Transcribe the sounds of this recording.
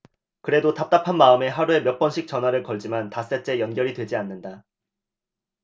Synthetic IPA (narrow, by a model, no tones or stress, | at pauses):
kɯɾe̞dotap̚t͈apʰanmaɯme̞ɦaɾue̞mjʌp͈ʌnɕʰik̚t͡ɕ͈ʌnɦwaɾɯɭkʌɭd͡ʑimantas͈et͡ɕ͈e̞jʌnɡjʌɾidwe̞d͡ʑianːɯnda